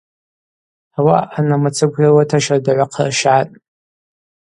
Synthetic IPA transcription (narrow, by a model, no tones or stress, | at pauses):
awaːnamat͡sʰɨɡʷʰjawatʰaʃardaʕʷaqʰarʃatʼ